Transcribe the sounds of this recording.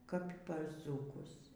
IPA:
kɐp pɐr ˈd͡zuːkʊs

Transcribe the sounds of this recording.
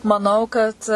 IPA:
mɐˈnɐʊ kɐt

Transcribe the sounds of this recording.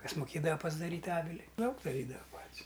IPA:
ˈkɐs mʊˈkʲeːdɐʋɐ pɐzdɐˈrʲiːtʲ ˈɑːʋʲɪlʲɪ ˈdɐʊk dɐˈrʲiːdɐʋɐ ˈpɐtʲsʲ

